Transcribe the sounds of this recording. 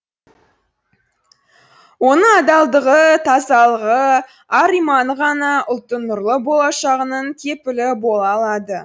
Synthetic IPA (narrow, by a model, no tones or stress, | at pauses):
wo̞nəɑd̪ɑlˠd̪əʁət̪ʰɑzɑlˠəʁə | ɑɾijmɑnʁɑnɑʔʊlˠt̪ːənʊɾlˠəbo̞lˠɑʃɑʁənəɴt̪ʲʰe̞pɪlɪbo̞lˠɑlˠɑd̪ə